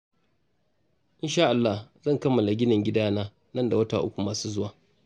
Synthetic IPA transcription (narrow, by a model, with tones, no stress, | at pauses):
ʔɪ˦nʃaː˦ʔa˨lːa˦hzɐ˦˨ŋkɐ˦mːɐ˨la˨ɡʲɪ˦nɐ˨ŋɡʲɪ˦daː˦naː˦ | nɐ˦nda˨wɐ˦ta̰˨ʔʊ̰˦kʷu˨maː˨suː˦zʊ˦waː˨